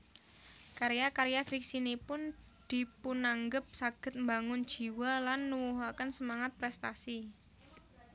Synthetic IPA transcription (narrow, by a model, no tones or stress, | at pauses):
kaɾejakaɾijafiksinipʊn | d̪̥i̤punaŋɡəp̚saɡ̥ə̤t̪̚mbaŋʊnd̥ʒ̥i̤walanːuwuɦakənsəmaŋat̪̚pɾɛst̪asi